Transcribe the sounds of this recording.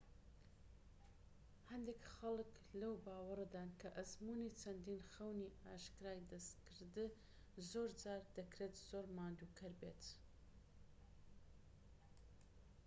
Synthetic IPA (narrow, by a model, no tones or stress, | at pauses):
hɐnd̪ekxɐlk | lɐwbaːwɐɾɐd̪aːnkʰɐʔɐzmunit͡ʃʰɐnd̪iːnxɐwniːaːʃkɨɾaːjd̪ɐst̪kɨɾd̪ɨ | zoːɾd͡ʒaːɾd̪ɐkɾeːt̪z̥oːɾmaːnd̪uːkʰɐɾbeːt̪